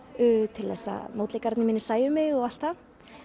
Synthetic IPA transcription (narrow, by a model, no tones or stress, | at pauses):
ʏːt̪ʰɪlθɛsːa̰moːwt̪lejkaɾt̪nɪmɪːnɪ̥saːjʏmɪɣɔɣal̥t̪a